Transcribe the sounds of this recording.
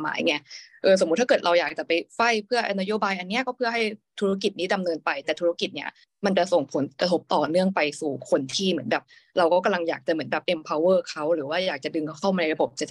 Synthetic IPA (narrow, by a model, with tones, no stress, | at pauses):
ma̰ː˩˦jŋɛ˦˧˥ʔɤː˧s̬o˨˩˦mː˦˥t̪ʰːa˥kɤː˨˩t̪ɾa˧wjaː˨˩k̚t͡ɕa˨˩pa˧jfa˥˩jpʰɯ˥˩ɐʔna˦˥joː˧˩baː˧jʔa˧nːi˦˥ɐkɔː˥˩pʰɯ˥˩ɐɦa˥˩jt̪ʰu˦ɾa˥k̬i˨˩t̪̚niː˦˥da˧mnɤː˧npa˧jt̪ɛː˨˩t̪ʰu˦˥a˥˩ki˨˩t̪̚ni˦˥ɐ | ma˧nt͡ɕa˨˩so˨˩ŋpʰo˩˦nkɾa˧t̪ʰo˦˥p̚t̪ɔː˨˩nɯ˥˩əŋpa˧jsuː˨˩kʰo˧nt̪ʰiː˥˩mɯ˩˦ənbɛː˨˩p̚ | ɾa˧wkɔː˥˩ka˧mla˧ŋjaː˨˩k̚t͡ɕa˨˩mɯ˩˦nbɛː˨˩p̚ʔe˧mpʰa˧wːɤː˥˩kʰa˦˥wɾɯː˩˦waː˥˩jaː˨˩k̚t͡ɕa˨˩dɯ˧ŋkkʰa˥˩wma˧na˧jɾa˧bo˨˩p̚t͡ɕa˨˩